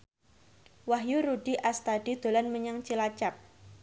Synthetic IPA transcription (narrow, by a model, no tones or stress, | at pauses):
waɦjuɾuɖ̥iʔast̪ad̥i̤d̪̥o̤lanməɲaŋt͡ʃilat͡ʃap̚